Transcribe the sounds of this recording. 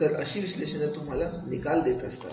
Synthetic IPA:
əɾə̰ɕiːʋiɕleɕənet̪um̤alanikald̪et̪əst̪a̰

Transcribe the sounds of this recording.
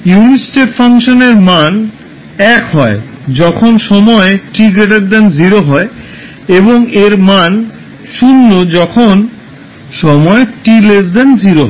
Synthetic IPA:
junisʈeʈfʰaŋʃoneɾman | ɛkɦɔe | d͡ʑɔkʰonʃɔmɔeʈiɡeʈ̬eɾd̪ɛnziɾoɦɔe | eboŋeɾman | ʃunːod͡ʑɔkʰon | ʃɔmɔeʈiled̪ɛnziɾoɦɔ

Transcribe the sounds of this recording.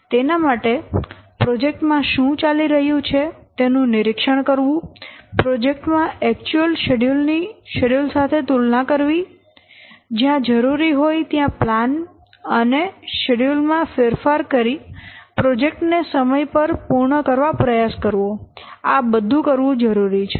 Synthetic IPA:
t̪enamaʈepɾod͡ʒek̚ʈmãʃũt͡ʃaliɾəɦjũt͡ʃʰet̪enũnɪɾɪkʃəɳ̃kəɾʋũpɾod͡ʒek̚ʈmãɛkt͡ʃuəlʃeɖulniʃeɖjulsat̪ʰet̪ulnãkəɾʋi | d͡ʒjãd͡ʒəɾuɾiɦojt̪jãplan | əneʃeɽjulmãfeɾfaɾkəɾipɾod͡ʒek̚ʈnesəməjpəɾpuɾɳəkəɾʋapɾəjaskəɾʋoabəd̪ʱũkəɾʋũd͡ʒəɾuɾit͡ʃʰ

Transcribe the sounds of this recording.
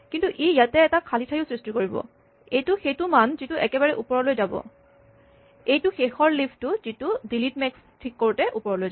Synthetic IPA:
kintuʔijatɛːtakʰalitʰajʊsɹistikoɹibɔ̰ | ejtʊxetumanzituʔɛkɛbaɹɛʔupɔɹɔlojzabɔ̰ | ejtʊxexɔɹlipʰtʊzitudilit̚mɛks | tʰikːoɹutɛʔupɔɹɔlojza

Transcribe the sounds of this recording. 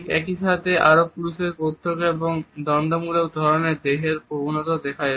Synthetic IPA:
kɛkiʃat̪ʰeʔaɾob̚puliʃeɾpot̪ʰːokeboŋd̪ɔnd̪amulewd̪ʱɔɾoneɾd̪eɦeɾpobunɔt̪od̪ɛkʰa

